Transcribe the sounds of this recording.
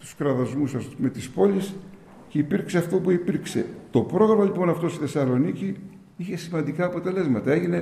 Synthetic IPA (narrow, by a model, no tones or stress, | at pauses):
t̪u̥skɾɐðɐzmusɐsme̞t̪ispo̞lʲis | ceipiɾkseɐft̪o̞puipiɾkse̞̰t̪o̞pɾo̞ɣɾɐmɐlipo̞nɐft̪ost̪iθe̞sɐlo̞nici | içe̞simɐnd̪ikɐːpo̞t̪e̞le̞zmɐt̪ɐe̞ʝine̞